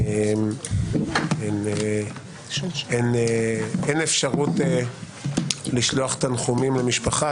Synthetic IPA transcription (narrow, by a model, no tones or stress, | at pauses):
em | ene | eneenefʃaʁute | liʃloaχe̥t̪anχumimlemiʃpaχa